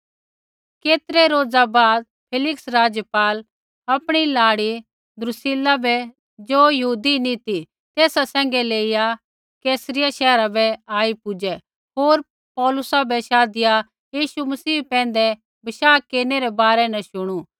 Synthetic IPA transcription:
keːt̪ɾɛɾoːd͡zabaːd̪̚ | pʰeːlɪksɾaːd͡ʒjəpaːl | ɐpɽ̃ilaːɽi | d̪ɾʊsɪlabʱɛ | d͡ʒoːjɐɦuːd̪init̪i | t̪eːsasɛ̃ːŋ̆ɡɛleːɪja | keːsəɾɪjaʃɛːɾabɛaːipʊd͡ʒɛ | ɦoːɾ | pɔːlʊsabɛʃaːd̪ɪja | jiːʃumɐsiːpɛ̃ːn̆d̪ɛ | bɐʃaːkːeːɾneɾɛbaːɾɛnɛʃʊɽ̃u

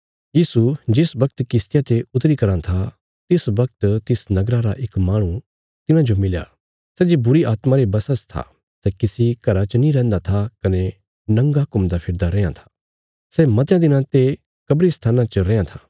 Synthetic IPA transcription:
jiːsud͡ʒɪsbɐk̚t̪kɪst̪ɪjat̪eʊt̪ɾikɐɾãt̪ʰa | t̪ɪsbɐk̚t̪t̪ɪsnɐɡɾaɾaʔɪkmaːɽ̃ũ | t̪ɪnãd͡ʒomɪlja̰ː | sɛːd͡ʒibʊɾiaːt̪mãɾebɐsəst̪ʰa̰ | sɛkɪsikɐɾat͡ʃənĩɾɛ̃ːnd̪at̪ʰakɐne | nɐ̃ŋɡakʊmd̪apʰɪɾd̪aɾẽːãt̪ʰḁ | sɛmɐt̪jãd̪ɪnãt̪e | kɐbɾist̪ʰaːnãt͡ʃɐɾẽːãt̪ʰaː

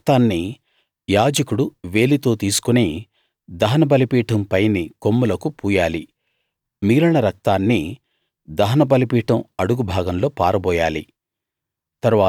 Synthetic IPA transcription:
t̪aːnːi | jaːd͡ʒɐkuɽuʋe̞ːlit̪o̞ːt̪iːsu̥kuneː | d̪ɐɦɐnɐbɐlipiːʈʰɐmpɐjniko̞mːulɐkupuːjaːli | miːɾɐɳɐɾɐk̚t̪aːnːi | d̪ɐɦɐnɐbɐlipiːʈɐmɐɽuɡubʱaːɡɐmlo̞ːpaːɾɐbɔːjaːli | t̪ɐɾʋaː

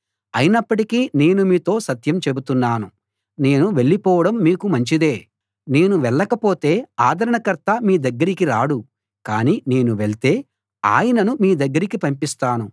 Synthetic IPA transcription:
ɐjinɐpːɐʈikine̞ːnumiːt̪o̞ːsɐt̪jɐmt͡ʃe̞but̪unːaːnu | ne̞ːnuʋe̞ɭːipɔːʋɐɽɐmːiːkumɐɲt͡ʃid̪e̞ː | ne̞ːnuʋɛɭːɐkɐpo̞ːt̪e̞ːaːd̪ʱɐɾɐɳɐkɐɾt̪ɐmiːd̪ɐɡːɐɾikiɾaːɽu | kaːniːne̞ːnuʋeɭt̪e̞ː | a̰ːjɐnɐnumiːd̪ɐɡːɐɾikipɐmpist̪aːnu

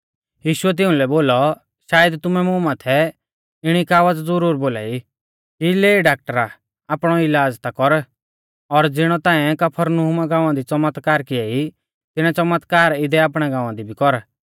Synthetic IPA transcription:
jiːʃʊɛt̪̬ɪʊ̃lɛboːlɔ | ʃaːjəd̪t̪ʊmɛmʊmaːt̪ʰɛ | ɪɽ̃ikaːʋət͡sd͡zʊɾuːɾboːla̰ːi | kileːiɖaːk̚ʈəɾa | aːpɽ̃ɔɪlaːd͡zt̪akɔɾ | ɔɾd͡zɪɽ̃ɔt̪ãːɛkɐpʰəɾnuɦumaɡãːʊ̃ãd̪it͡sɐmət̪kaːɾkɪai | t̪ɪɽ̃ãt͡sɐmət̪kaːɾɪd̪ɛaːpɽ̃ɛɡãːʊ̃ãd̪ibʱikɔɾ

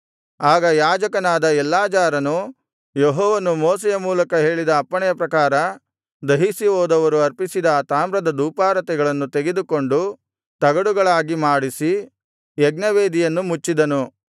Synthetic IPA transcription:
aːɡɐjaːd͡ʒɐkɐnaːd̪ɐɛlːaːd͡ʒaːɾɐnu | jeɦɔːʋɐnumɔːs̬ɛjɐmuːlɐkɐɦe̞ːɭid̪ɐːpːɐɳɛjɐpɾɐkaːɾɐ | d̪ɐɦisiʋɔːd̪ɐʋɐɾuɐɾpisid̪ɐt̪aːmɾɐd̪ɐd̪uːpaːɾɐt̪ɛɡɐɭɐnːut̪eɡed̪uko̞ɳɖu | t̪ɐɡɐɽuɡɐɭaːɡimaːɽisi | jɛɡnɐʋe̞ːd̪ijɐnːumut͡ʃːid̪ɐnu

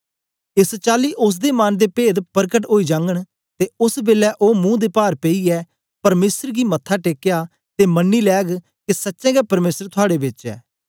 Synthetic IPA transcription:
ɪst͡ʃaːliːʔʊs̬d̪eːmaːnd̪eːpeːd̪pəɾkəʈɦoːid͡ʒãːŋɡəɽ̃ | t̪eːʊsbeːlɛʔoːmũːd̪eːpaːɾpeiːɛː | pɐɾmeːsəɾɡiːmət̪ʰːaːʈeːkjaː | t̪eːmənːiːlɛːɡ | kesətːʃɛ̃ːɡɛːpəɾmeːsəɾt̪ʰʊaːɽeːbɪt͡ʃɛ̰ː

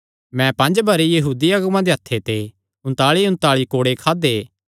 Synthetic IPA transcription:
mɛ̃pɐ̃nd͡ʒbɐɾejɐɦuːd̪iaːɡʊmãd̪eɦɐt̪ʰːet̪e | ʊ̃nt̪aːɭiʊ̃nt̪aːɭikoːɽekʰaːd̪eː

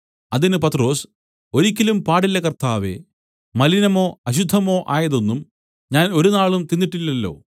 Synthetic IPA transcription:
ɐðinɨpɐt̪ro̞ːs | o̞ɾikʲːɐlumpaːɽilːɐkɐrt̪aːʋḛ | mɐlinɐmo̞ːɐɕ̬ud̪ʱːɐmo̞ːʔaːjɐðo̞nːum | ɲaːno̞ɾunaːɭumt̪inːiʈːilːɐlːo̞̰ː

